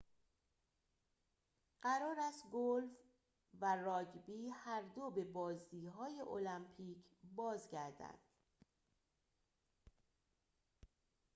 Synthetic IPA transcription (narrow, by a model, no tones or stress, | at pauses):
ɢ̥æɾɒːɾæst̪ɡolf | værɒːɟbiːhæɾd̪obe̞bɒːzd̪iːɦɒːjeʔolæmpʰiːcʰbɒːzɟæɾd̪æ̰nd̪̥